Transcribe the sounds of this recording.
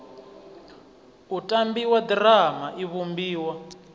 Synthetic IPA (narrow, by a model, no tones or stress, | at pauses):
utʼambiwadramaʔiβumbiːwa